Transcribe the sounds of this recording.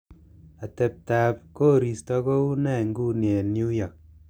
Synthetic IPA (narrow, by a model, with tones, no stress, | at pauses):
a˨te˨p̚ta˨pko˦ɾi˨stɔ˦ko˦u˦nɛ˦˨ŋɡu˦ne˨nju˦jɔ˨k̚